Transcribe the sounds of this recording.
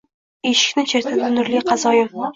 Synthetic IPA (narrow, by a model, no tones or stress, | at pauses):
eʃɪ̥kʲnɪt͡ʃʰeɾt̪ʰɪd̪ɪnʊɾlijqʰɑzɒjɪm